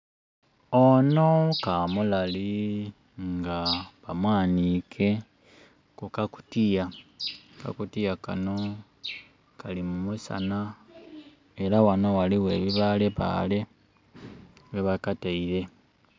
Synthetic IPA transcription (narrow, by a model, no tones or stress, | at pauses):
ono̞kamulali | ŋɡaβamwaːnikʰe̞ | kukaku̥tija | ka̰kutijakano̞ | kalimumusa̰na | e̞ɾawano̞waliwe̞ːβiβale̞βa̰ːle̞ | weβakataiɾe̞